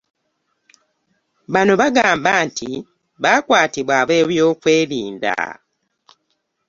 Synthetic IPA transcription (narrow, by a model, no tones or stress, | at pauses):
βano̞βaɡaːmbaːntʰi | βaːkwaːtiβwaːβe̞ːβjo̞ːkwe̞ːliːnda̰